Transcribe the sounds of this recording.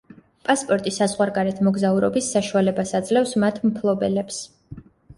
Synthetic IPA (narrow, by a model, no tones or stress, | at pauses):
pʼaspʼɔɾt̪ʼisazʁwaɾɡaɾɛt̪ʰmɔɡzauɾɔbisːaʃualɛbasad̪zlɛfsmat̪ʰmpʰlˠɔbɛlɛps